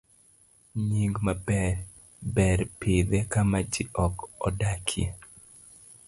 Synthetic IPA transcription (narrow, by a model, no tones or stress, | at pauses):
ɲiŋɡmabɛɾ | bɛɾpid̪ɛkamad͡ʒiʔɔkɔ̰dakʰɪe